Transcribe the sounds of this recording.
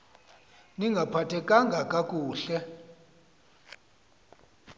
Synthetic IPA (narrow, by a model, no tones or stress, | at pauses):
niŋɡʱapʰatʰɛkʼaŋɡʱakʼakʼuːɬɛ